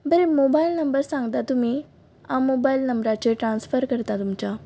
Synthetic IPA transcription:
bəɾemobailnəmbəɾsãŋɡt̪at̪um̤i | amːobailnəmbɾat͡ɕeʈɾansfəɾkəɾt̪at̪umt͡ɕa

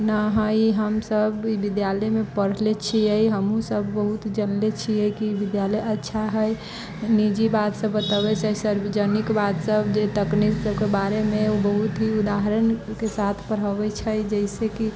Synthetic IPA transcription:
naɦəiɦəmsəbibid̪jaləmẽpəɽ̤let͡ʃʰiəjɦəmũsəbːəɦut̪d͡ʒənlet͡ʃʰiəkibid̪jaləjətːʃʰaɦəj | nid͡ʒibat̪səbːət̪əbɛsʰəsəɾbəd͡ʒənikbat̪səbd͡ʒet̪əkniksəbkebaɾemeobəɦut̪ɦiud̪aɦɾənkesat̪ʰpəɾɦəbɛt͡ʃʰəd͡ʒəɪseki

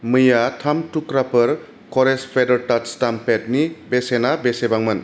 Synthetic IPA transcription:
mɯjatʰamtukɾapɯɾ | kɔɾespʰedəɾtatstampet̚nibesenabesebaŋmɯn

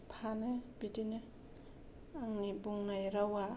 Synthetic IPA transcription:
pʰanebitine | aŋnibuŋnajɾawa

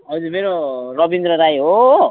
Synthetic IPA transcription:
ɦʌd͡zuɾmeɾorʌbind̪ɾʌɾajɦo

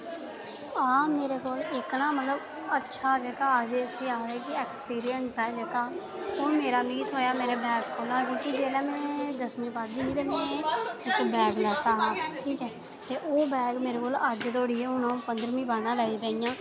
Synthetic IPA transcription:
aːmeːɾeːkoːlɪknãːmət̪ləb | ətːʃʰaːd͡ʒeːkaːd͡ʒeəsiːaːd̪ɛːkɪeːkspiːɾɪjənsɛːd͡ʒeːkaː | oːmeːɾaːmiːt̪ɦoːjaːmeːɾeːbɛːɡkoːlaːkõːkid͡ʒeːlɛːmɛ̃ːd̪əsmĩːbaːd̪iːiːt̪eːmɛ̃ːɪkbɛːɡlɛːt̪aːɦãːʈʰiːkɛː | t̪eːʔoːbɛːɡmeːɾeːkoːləd͡ʒt̪oːɽiːeːʊnãːpənd̪ɾmĩːbaːnãːlaːiːɾəijãː

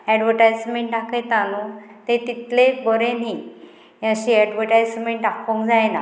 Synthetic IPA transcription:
ɛɖʋəɾʈajsmeɳʈɖaket̪anut̪et̪it̪lebəɾeni | əɕiɛɖʋəʈajsmeɳʈɖakʰõŋkd͡zajna

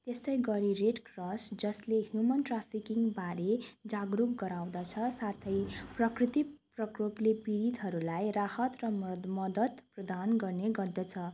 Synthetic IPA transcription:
t̪est̪ʌjɡʌɾireɖkrʌsd͡zʌsleɦjumʌnʈrapʰikiŋbaɾed͡zaɡrukɡʌɾaw̃d̪at͡sʰʌsat̪ʰʌjprʌkrit̪iprʌkroplepiɾit̪ɦʌɾulajrahʌt̪rʌmmʌd̪ʌt̪prʌd̪anɡʌrneɡʌrd̪ʌt͡sʰʌ

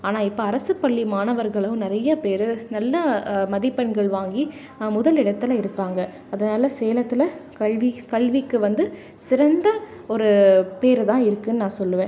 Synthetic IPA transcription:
aːnaːɪpːoːɐɾɐsɯpːɐɭːimaːnɐʋɐɾɣɐɭɐnɪɾɐjɐpeːɾɯnɐlːɐmɐðɪpːɐnɡɐɭʋaːŋɡi | mʊðɐlɪɽɐt̪ːɪlɐɪɾɯkːaːŋɡɐ | ɐðɐnaːlɐseːlɐt̪ːɪlɐkɐɭʋikɐɭʋɪkːɯʋɐnd̪ɯ | sɪɾɐnd̪ɐ | ɔɾɯpeːɾɯt̪ãːɪɾɯkːɯnːɯnãːsɔlːɯʋẽː

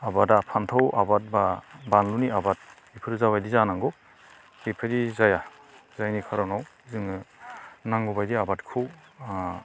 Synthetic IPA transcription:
abadapʰantʰawʔabat̚babanluniabat̚ | ipʰɯɾzaβajdizanaŋɡɯ | bipʰɯdizaja | zajnikʰaɾɔnaw | zɯŋɯnaŋɡɔbajdiabatkʰɯw

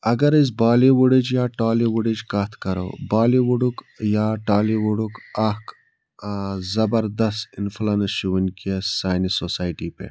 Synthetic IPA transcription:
ɐɡɐɾiz̬baːliwuɽid͡ʒjaːʈaːliwuɽid͡ʒkɐt̪ʰkɐɾo̰ːbaːliwuɽuk | jaːʈaːliwuɽukɐk | zɐbɐɾd̪ɐst̪inflanɐʃuwinkiɐssaːjnisosaːjʈipḛ

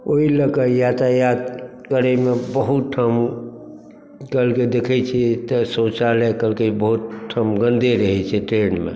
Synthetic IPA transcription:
oiləkəjat̪ajad̪ | kəɾɛmebəɦut̪̚ʈʰəm | kəlked̪ekʰɛt͡ʃʰɛt̪əsot͡ʃalɛkəlkebəɦut̪̚ʈʰːəmɡə̃nd̪eɾəɦɛt͡ʃʰɛʈɾenmḛ

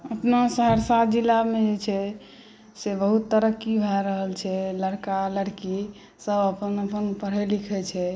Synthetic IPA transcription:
əpnasəɦəɾsat̪d͡ʒilːamed͡ʒet͡ʃʰɛ | sebəɦut̪ːəɾəkːibʱaɾəɦəlt͡ʃʰɛləɽkaləɽki | səbəpənəpənpəɽ̤ɛlikʰɛt͡ʃʰɛ

